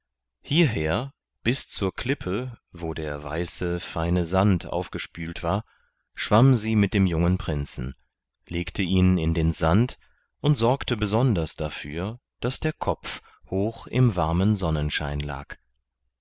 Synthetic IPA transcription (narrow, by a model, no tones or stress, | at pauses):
hiːɐɦeːɐ | b̥ɪst͡suːɐkʰl̥ɪpʰəvoːdeːɐva̰ɪsəfaɪnəzantʰʔa̰ʊfɡ̥əʃpyːltv̥aːɐ | ʃv̥amziːmɪt̚d̥eːmjʊŋənpʁ̥ɪnt͡sn̩ | leːktʰəiːnɪndeːnzant | ʔʊntz̥ɔɐktəbəzɔndɐsd̥afy̰ːɐ | d̥asd̥eːɐkʰɔp͡f | hoːxɪ̰mvaɐmənzɔnənʃa̰ɪnla̰ːk